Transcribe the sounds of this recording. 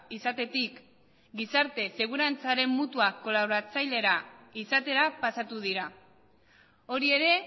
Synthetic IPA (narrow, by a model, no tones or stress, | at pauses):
isat̪e̞t̪ik | ɡisaɾt̪e̞se̞ɣ̞uɾant͡saɾe̞mːut̪uakːo̞laβoɾat͡sajle̞ɾaisat̪e̞ɾapasat̪uðiɾa | o̞ɾie̞ɾe̞